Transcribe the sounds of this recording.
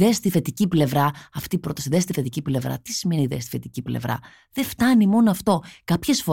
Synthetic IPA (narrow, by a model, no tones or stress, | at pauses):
est̪iθe̞t̪iciple̞vɾɐɐft̪iːpɾo̞t̪ɐsiðest̪iθe̞t̪iciple̞vɾɐ̰t̪i̥sime̞niðḛst̪i̥fe̞t̪iciple̞̰vɾɐ̰ | ðe̞ft̪ɐnimo̞noɐft̪o̞kɐpçe̞sfo̞